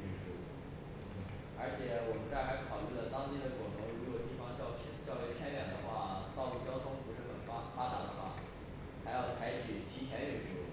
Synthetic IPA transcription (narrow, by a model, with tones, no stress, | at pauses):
y˥˩nʂu˥˩ | ə˞˧˥t͡ɕʰjɛ˨˩˦wɔ˨˩mə˦˥nt͡sa˥˩ɪxa˧˥ɪkʰɑ˨˩ʊly˥˩lə˩t̪ɑ˥ŋt̪i˥˩d̪ə˩kʊ˨˩ŋt̪ʰʊ˧˥ŋɻu˥jo˨˩ʊt̪i˥˩fɑ˧˥ŋt͡ɕʰt͡ɕjɑ˥˧ʊlɛ˥˩ɪpʰjɛ˥nɥɛ˨˩nd̪ə̰˦xwa̰˥˩t̪ɑ˥˧ʊlu˥˩t͡ɕjɑ˥ʊt̪ʰʊ˥ŋpu˧˥ʂɻ̩˥˩xə̰˨˩n˥fa˥t̪a˨˥d̪ə̰˧bɐ̰˧ | xa˧˥ɪjɑ˥˩ʊt͡sʰa˧˥ɪt͡ɕʰy˨˩t͡ɕʰi˧˥t͡ɕʰjɛ˧˥y˥˩nʂu˥